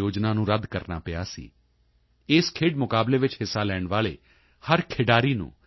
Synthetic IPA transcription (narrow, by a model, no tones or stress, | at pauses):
oːd͡ʒnãːnũːɾəd̪ʱkəɾna̰ːpɪaːsḭː | ɪːskʰeːɖmʊkaːbleːʋɪt͡ʃhɪsːaːlɛːɳʋaːɭḛː | həɾkʰɪːɖaːɾiːnṵ̃ː